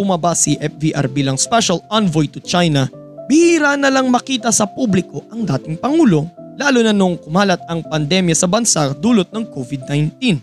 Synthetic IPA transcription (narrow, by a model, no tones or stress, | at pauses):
bʊmɐbasiʔɛfbiʔa̰ɾbiːlɐŋspɛʃɐlanvojt̪ʊt͡ʃajnɐ | bihiɾanɐlɐŋmɐkiːt̪ɐsɐpublɪko̞ʔɐŋd̪aːt̪ɪŋpɐŋuːlo̞laːlʊnɐnoŋkʊmaːlɐt̪̚ɐŋpɐnd̪ɛmjɐsɐbɐnsad̪uːlot̪̚nɐŋkovɪd̪̚najnt̪̚in